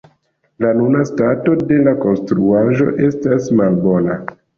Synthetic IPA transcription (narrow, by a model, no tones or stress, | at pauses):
lanunastato̞de̞lako̞nstɾuaʒo̞̰ʔe̞stasmalbo̞na